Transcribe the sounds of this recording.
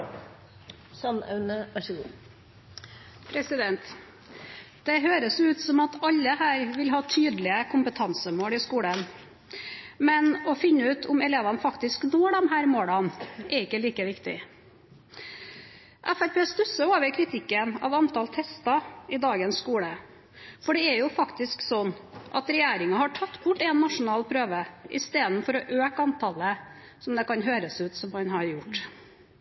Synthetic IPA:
sɑnɑ̰ʉnəʋæʂɔɡuː | pʰɾɛsɪd̪ɛnt̪ | d̪̥ɛɦøːɾəsʉːt̪sɔmɑt̪ʰɑʎːəhæːɾʋɪlɦɑːt̪ʰyːd̪lɪəkʰʊmpət̪ʰɑnsəmoːlɪskuːɽən | mɛnɔfɪnːəʉːt̪ʰʊmɛleːʋɑnəfɑkt̪ɪsknoːɖ̪ɔmɦæːɾmoːɭɑnʔɛɾɪkːəliːkəʋɪkt̪ɪ̰ | ʔæfæɾpeːst̪ʉsəoːʋəkʰɾɪt̪ʰɪkːənɑ̰ːʋɑnt̪ɑlt̪ʰɛst̪ɑɪd̪ɑːɡənsːkuːlə | fɔɖɛɛɾjʊfɑkt̪ɪsksɔnːʔɑ̰t̪ɾɛjæːɾɪŋɑhɑʈʰɑt̪ːbʊʈːɛnːɑʂʊnɑːlpʰɾøːʋəʔɪ̰st̪eːd̪n̩fɔɾɔʔøːkɑnt̪ʰɑlə | sɔmd̪ɛkɑnɦøːɾəsʉːt̪sɔmhɑnɦɑɾjʊʈː

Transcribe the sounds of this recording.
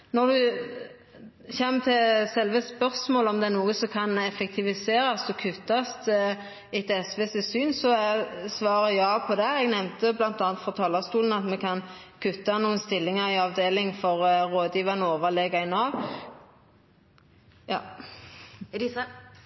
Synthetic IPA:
nɔd̪ʉ | çɛmt̪ʰɪlsɛlʋəspœʁsmoːləɔmd̪ɛnuːəsɔkʰɑnɛfɛk̚t̪ʰɪʋɪseːɾɑst̪ɔkʰʉt̪ːɑst̪ | ɪt̪ɛsʋɛːsɪsyːnsɔɛsʋɑːɾəjɑːpʰɔd̪ɛɛɡnɛmnt̪əblɑnt̪ɑːɑnt̪fɾɔt̪ʰɑːlɑst̪uːln̩ɑt̪mɛkʰɑn | kʰʉt̪ːɑnuːənst̪ɪlːɪŋəʁɪɑʋd̪eːlɪŋfɔʁɾoːd̪jiːʋɑnəoːʋəʁlɛɡɑɪnɑːʋ | jɑː

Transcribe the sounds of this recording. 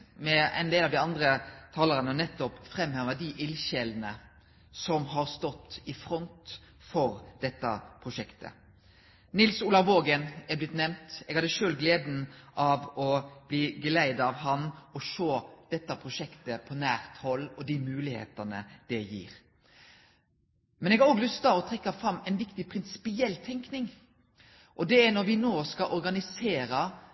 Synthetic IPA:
mɛɛ̰ɪnd̪eːlɑʋd̪ɪɑnd̪ɾət̪ʰɑːləɾənəɔnɛt̪ːɔpfɾɛmːhæɾmɛd̪ɪʔɪlɕɛln̩ə | sɔmhɑɾst̪ɔt̪ːɪfɾɔnt̪ | fɔɾd̪̥ɛt̪ːəpʰɾʊʂɛkt̪ʰə̰ | nɪlsuːlɑʁʋoːɡənɛblɪt̪nɛmt̪ɛɡhɑd̪əʂøːlɡleːd̪n̩ʔɑʋɔb̥liːɡəlæɪd̪ɑʋɦɑnɔʃoːd̪̥ɛt̪ːɑpʰɾʊʃɛkt̪əpʰɔnæːɾt̪hɔlːɔd̪imʉːlɪhḛːt̪ɑnəd̪̥ɛjḭːɾ | mɛnɛɡɑɾoːɡlʉst̪ɑɔt̪ʰɾɛkːɑfɾɑmːɛɪnʋɪkt̪ɪpʰɾɪnsɪ̥pɪɛlːt̪ʰɛŋknɪŋ | ʔɔd̪ɛænɔɾʋɪnoːskɑʔɔɾɡɑnɪseːɾɑ

